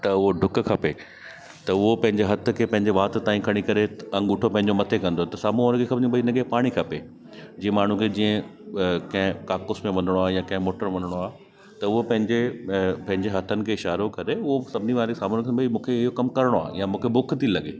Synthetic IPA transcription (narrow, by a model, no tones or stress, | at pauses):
t̪ɐʊɦoɖʱʊk̆kʰɐpe | t̪ɐʊɦopɐ̃ɦɪ̃ɲd͡ʑeɦɐt̪ʰʊ̆kʰeːpɐ̃ɦɪ̃ɲd͡ʑeʋaːt̪̆t̪aːĩkʰɐɽ̃ikɐɾeɐ̃ŋɡʊʈʰopɐ̃ɦɪ̃ɲd͡ʑomɐt̪ʰekɐ̃nd̪ot̪ɐsaːmuəɾkʰekʰɐbĩbɐinɐɡepaːɽ̃ikʰɐpe | d͡ʑiːə̃maːɳ̤ũkʰed͡ʑiːə̃ | kɐ̃ɦɪ̃kaːkʊsmẽʋɐnəɽ̃oaːɦejãkɐ̃ɦɪ̃moːʈəɾʋɐnəɽ̃oaːɦ | t̪ɐʊɦopɐ̃ɦɪ̃ɲd͡ʑepɐ̃ɦɪ̃ɲd͡ʑeɦɐt̪ʰənɪ̆kʰeːɪʃaːɾokɐɾeʊɦosɐbʱɪniʋaːɾsaːmuːɾɡsɐ̃mbəimũːkʰeɪɦokɐmkɐɾɪɽ̃oa̰ːɦjamũːkʰebʊkʰt̪ʰilɐɠeː